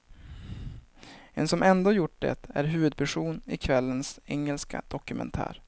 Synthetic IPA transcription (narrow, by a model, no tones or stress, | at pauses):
ɛnsɔmʔɛnd̪oːjʊʈ̚ːɖɛ̰t̪æɾɦʉ̟ːvɵd̪̚pʰæʂuːnɪkʰvɛlːənsɛŋːəlska̰d̪̥ɔkɵmɛ̰nt̪ʰæ̰ːɾ